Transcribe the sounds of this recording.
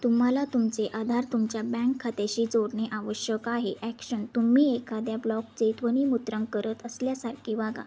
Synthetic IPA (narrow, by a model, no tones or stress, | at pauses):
t̪um̤alat̪umt͡seʔad̪ʱaɾt̪umt͡ɕjabɛ̃ŋkʰːat̪eɕiːd͡zoɽɳeʔaʋəɕjəkaɦeʔækɕənt̪um̤iːekad̪jablɔk̚d͡zet̪ʋəñiːmut̪ɾəŋɡkəɾət̪əsljasaɾkʰiːʋaɡa̰